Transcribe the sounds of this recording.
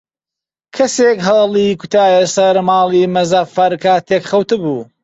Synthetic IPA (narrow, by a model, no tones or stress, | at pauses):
kʰɐsekɦɐlˠikut̪ʰaːjɐsɐɾmɑːlˠiːmɐzaːfɐɾkʰaːt̪ʰekχɐwt̪ɨbuː